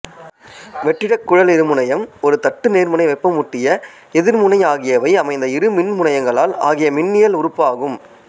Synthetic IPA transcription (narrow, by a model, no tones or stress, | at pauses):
ʋɛʈːɪɽɐkːʊɻɐlɪɾɯmɯɳɐjɐmɔɾɯt̪ɐʈːɯneːɾmɯɳɐɪʋɐɪpːɐmʊʈːɪjɐ | ɛðɪɾmʊnɐɪaːɣɪjɐʋɐɪɐmɐɪnd̪ɐɪɾɯmɪnmʊɳɐjɐŋɡɐɭaːla̰ːɣɪjɐmɪnːɪjɐlʊɾʊpːaːɣɯm